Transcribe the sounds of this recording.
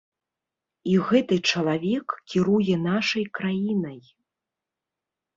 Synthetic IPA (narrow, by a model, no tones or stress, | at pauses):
iɣɛt̪ɨt͡ʂɐlˠavʲɛkkʲiɾujɛnaʂɐjkɾajinɐj